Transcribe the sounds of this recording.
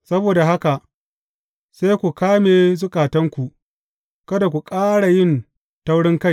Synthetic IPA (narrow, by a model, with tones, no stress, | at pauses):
sɐ˦boː˨da˨ɦa˦ka˨ | seː˦kʷu˨kaː˦meː˨zʊ˦kʼaː˨tɐ˦ŋkʷu˨ | kɐ˦da˨kʷu˨kʼaː˦ɽa˨jɪ˦˨n | ta˦wɽɪ˦ŋka˦j